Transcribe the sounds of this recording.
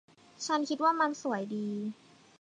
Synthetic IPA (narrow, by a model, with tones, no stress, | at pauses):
t͡ɕʰa˦˥nkʰi˦˥t̪̚waː˥˩ma˧nsu˨˩˦əjdiː˧